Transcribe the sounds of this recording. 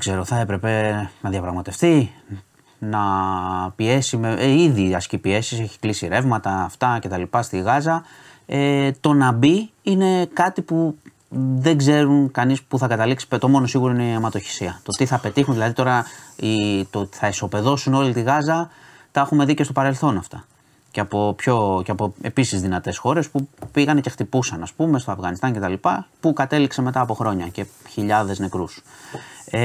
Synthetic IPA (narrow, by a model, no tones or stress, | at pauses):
eɡ̥ze̞ɾo̞θɐe̞pɾe̞pe̞nɐðjɐpɾɐɣmɐt̪e̞fθi | nɐ | pie̞simeiðiɐscipie̞si̥se̞çi̥klisiɾe̞vmɐt̪ɐːft̪ɐce̞t̪ɐlipɐst̪iɣɐzɐ | et̪o̞nɐbiine̞kɐt̪ipu | ðe̞ɡze̞ɾunkɐnispuθɐkɐt̪ɐliksi̥pt̪o̞mo̞no̞siɣuɾoineiɐmɐt̪o̞çi̥siɐt̪o̞t̪iθɐpe̞t̪ixunðilɐðit̪o̞ɾɐit̪ot̪iθɐeso̞pe̞ðo̞suno̞lit̪iɣɐzɐ | t̪ɐexume̞ðice̞st̪o̞pɐɾe̞lθo̞nɐft̪ɐ | ceɐpo̞pço̞ceɐpo̞e̞pisizðinɐt̪e̞sxo̞ɾe̞spupiɣɐnece̞xt̪ipusɐnɐspume̞st̪o̞ɐvɣɐnist̪ɐncet̪ɐlipɐpukɐt̪e̞likseme̞t̪ɐːpo̞xɾo̞ɲɐce̞çiʎɐðe̞zne̞kɾus